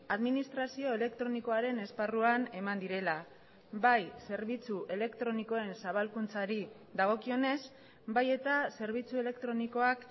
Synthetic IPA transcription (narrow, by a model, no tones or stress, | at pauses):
aðminist̪ɾasio̞e̞le̞kt̪ɾo̞niko̞aɾe̞ne̞sparuane̞mand̪iɾe̞la | bajse̞ɾβ̞it͡suʔe̞le̞kt̪ɾo̞niko̞e̞nsaβalkunt͡saɾi | d̪aɣ̞o̞kio̞ne̞s | baje̞t̪ase̞ɾβit͡sue̞le̞kt̪ɾo̞niko̞ak